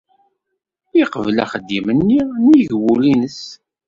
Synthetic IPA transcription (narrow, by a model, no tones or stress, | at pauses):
iqəvlæ̰χəd̪ːimənːiniʝwulinəs